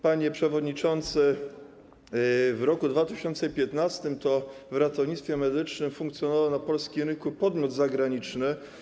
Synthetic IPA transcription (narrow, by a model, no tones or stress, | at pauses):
paɲɛpʂɛvɔd̪ɲit͡ʂɔnt̪sɘ | vɾɔkud̪vat̪ɘɕɔnt̪sɛpʲjɛt̪nast̪ɘmt̪ɔvɾat̪ɔvɲit̪st̪fʲjɛmɛd̪ɘt͡ʂnɘmfuŋkt̪sjɔnɔvawnapɔlskʲimɾɘŋkupɔd̪mʲjɔd̪zaɡɾaɲit͡ʂnɘ